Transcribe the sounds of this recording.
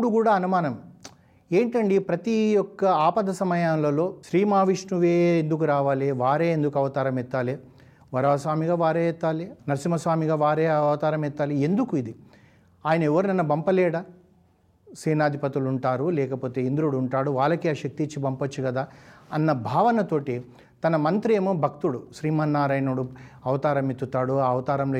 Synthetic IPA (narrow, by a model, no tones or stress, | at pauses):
ɽukuːɽaːɐnumaːnɐm | e̞ːɳʈɐɳɖipɾɐt̪ijɔkːɐaːpɐd̪ʱɐsɐmɐjaːnlɐlo̞ːʃɾiːmaːʋiʂnuʋeːnd̪uk̬uɾaːʋaːleːʋaːɾe̞ːend̪ukɐʋɐt̪aːɾɐmɛt̪ːaːleː | ʋɐɾaːɐsʋaːmiɡaːʋaːɾeːɛt̪ːaːlenɐɾsimɐsʋaːmiɡaːʋaːɾeːɐʋɐt̪aːɾɐmɛt̪ːaːliend̪ukuid̪i | aːjɐnɐɛʋːɐɾunɐnːɐbɐmpɐlɛːɽɐ | sɾiːnaːd̪ʱipɐt̪iluɳʈaːɾulɛːkɐpoːt̪e̞ːind̪ɾuɽuːɳʈaːɽuʋaːlːɐkiaːʃɐk̚t̪it͡ʃːibɐmpɐt͡ʃːiɡɐd̪aːɐnːɐbʱaːʋɐnɐt̪o̞ːʈi | t̪ɐnɐmɐnt̪ɾeːmoːbʱɐk̚t̪uɽuʃɾiːmɐnːaːɾɐjnuɽuɐʋɐt̪aːɾɐmit̪ːut̪aːɽuaɐʋɐt̪aːɾɐmlo